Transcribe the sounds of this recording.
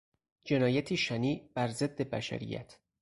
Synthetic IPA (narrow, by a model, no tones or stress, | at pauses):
d͡ʒe̞nɒːjæt̪ʰiːʃæniːbæɾze̞d̪ːe̞bæ̰ʃæ̰ɾḭjæ̰t̪ʰ